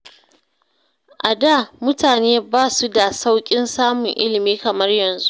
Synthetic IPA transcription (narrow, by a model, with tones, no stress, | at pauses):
ʔa˨daː˦˨mʊ˦taː˨neː˦baː˦˨su˦da˨sa˦wkʲʼɪ˦nsaː˦mʊ˨ŋʔɪ˦lɪ˨miː˦kɐ˨mɐ˦rjɐ˨nzu˦ʔ